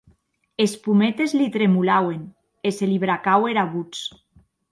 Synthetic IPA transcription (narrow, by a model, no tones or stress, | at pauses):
espumet̪ezlit̪ɾemulawen | eseliβɾakaweɾaβut͡s